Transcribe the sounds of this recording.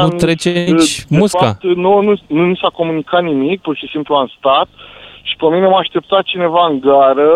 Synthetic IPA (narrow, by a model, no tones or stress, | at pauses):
nut̪ɾet͡ʃet͡ʃmeusfaa̰t̪nonununisako̞munikat̪nimik̚purʃisimpluanst̪at̪ʃi̥pəmineamaʃt̪e̞p̚t̪at̪̚t͡ʃine̞vaɨŋɡaɾə